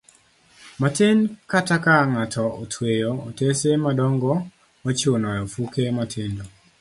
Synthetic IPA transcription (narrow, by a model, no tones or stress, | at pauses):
matenkatakaŋatʰɔotʰwejootesemadɔŋɡɔ | ot͡ʃonɔjɔfukematʰendo